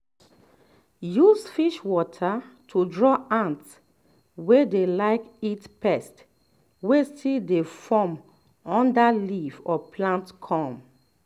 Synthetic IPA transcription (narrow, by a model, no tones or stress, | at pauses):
jusfiʃwɔtʰa | tʰudɹɔãnts | wedelaɪkitpɛst | westildefɔm | ɔ̃ndalivɔpʰlãntkʰɔ̃m